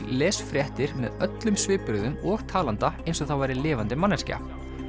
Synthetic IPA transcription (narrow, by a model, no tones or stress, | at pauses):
lɛːsfɾjɛht̪ɪɾ̥mɛ̰ðœt̪lʏmsvɪːpʏɾðʏmɔːɾ̥t̪ʰaːlant̪aejnsɔθawvajɾɪlɪːvant̪ɪmanːɛsca̰